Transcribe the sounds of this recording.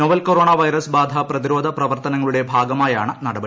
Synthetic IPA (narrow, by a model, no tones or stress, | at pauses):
noʋɐlkoɾoːɳaʋɐjɾɐsbaːd̪ʱaprɐðiɾo̞ːd̪ʱɐprɐʋɐrt̪ɐnɐŋːɐɭuɽe̞bʱaːɡɐmaːjaːɳɨnɐɽɐbɐ